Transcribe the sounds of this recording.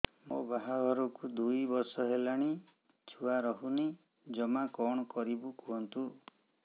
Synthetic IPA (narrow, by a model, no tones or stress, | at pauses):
mobaɦabʱɔɾɔkud̪ujbɔɾsɔɦelaɽ̃i | t͡ʃʰuaɾɔɦuni | d͡ʒɔmakɔɽ̃ɔkɔɾibukuɦɔnt̪u